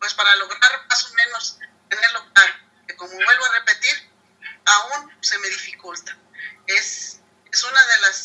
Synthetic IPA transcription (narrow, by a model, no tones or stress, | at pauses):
pwe̞spaɾalo̞ɣɾaɾmasomẽ̞no̞st̪eneɾlot̪al | keko̞moβwe̞lβoare̞pe̞t̪iɾ | aun | se̞me̞ðifikult̪ḁ | e̞s | esunaðe̞las